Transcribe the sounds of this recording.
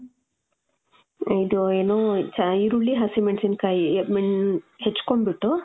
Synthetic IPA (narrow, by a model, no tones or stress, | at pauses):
id̪uenoːt͡ʃaiɾuɭːiɦasimeɳʈsinkajemiɳhet͡ʃːkombiʈːu